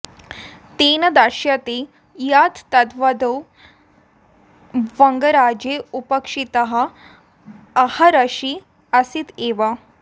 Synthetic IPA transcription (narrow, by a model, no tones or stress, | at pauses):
t̪enəd̪aɕjat̪e | jat̪t̪ɐt̪ʋad̪ow | ʋəŋɡəɾad͡ʑeupəkʂit̪əɦa | haɾəɕi | əsiːt̪eʋa